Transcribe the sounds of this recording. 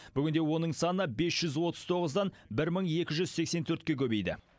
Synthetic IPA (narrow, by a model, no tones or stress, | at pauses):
b̥ʏɡʲɪnd̪e̞wo̞nəɴsɑnəbe̞sʒ̥ʏzwo̞t̪əz̥t̪ʰo̞ʁəzd̪ɑnbɪɾməɴe̞kʲɪʒʏz̥se̞kse̞nt̪ʰɵɾt̪̚kʲekʲʰɵbe̞jd̪ɪ̰